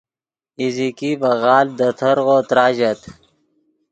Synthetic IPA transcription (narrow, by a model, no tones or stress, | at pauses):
izikibɐɣaːld̪ɐt̪ʰɐɾɣoːt̪ɾaːʑɐt̪